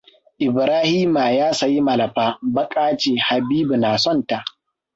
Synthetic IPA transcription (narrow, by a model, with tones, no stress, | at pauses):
ʔɪ˨bɾaː˦hiː˦ma˨jaː˦sa˨ji˦mɐ˨lɐ˨ɸaː˦bɐ˦kʼaː˦t͡ʃeː˨ha˨biː˦bu˨naː˨sɔ˦˨nta˨ʔ